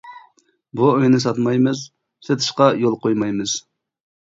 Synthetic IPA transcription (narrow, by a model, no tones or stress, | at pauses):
buøjnɪsɑt̪mɑjmɨz | set̪ʰɨ̥ʃqɑjolˠqʰojmɑjmɨz̥